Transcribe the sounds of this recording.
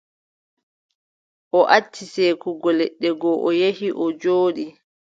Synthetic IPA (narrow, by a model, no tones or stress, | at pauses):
ʔɔʔatʰːisɛkuɡɔlɛɗːɛɡɔʔɔjehiʔɔd͡ʒoːɗi